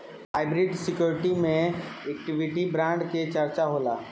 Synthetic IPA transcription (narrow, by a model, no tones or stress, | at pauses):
aːɪbɾɪɖsɪkjoːɾɪʈimẽek̚ʈɪʋɪʈibɾãːɳɖket͡ʃəɾt͡ʃaɦoːlaː